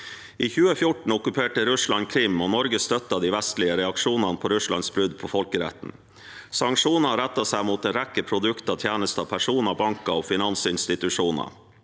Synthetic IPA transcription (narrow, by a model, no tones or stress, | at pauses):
ʔiːçʉːəfjʊʈɳ̩ɔkʉpʰeːʈəɾʉslɑŋkʰɾɪmːoːnɔɾɡəst̪œt̪ːɑd̪iːʋæst̪lɪəɾɛɑkʂuːnɑnəpʰoːɾʉslɑ̰nsbɾʉd̪pʰoːfɔlkəɾɛ̰t̪n̩ | sɑŋkʂuːnɑɾɛt̪ːɑsæɪmuːt̪̚d̪ɛnɾɛkːəpʰɾʊd̪ʉkt̪ɑt̪ʰjæːnəst̪ɑpʰæʂuːnɑbɑŋkɑoːfɪnɑnsɪnst̪ɪt̪ʉʂuːnɑ̰